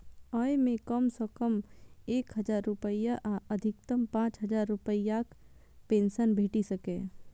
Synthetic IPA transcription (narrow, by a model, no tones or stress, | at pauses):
ɔːemẽkəmsɔːkəmeːkɦɐd͡ʒaːɾːʊpəɪjaʔaəd̪ʱɪk̚t̪əmpãːt͡ʃɦəd͡ʒaːɾːʊpəijak | pẽːnsənbʱeːʈisəkẽː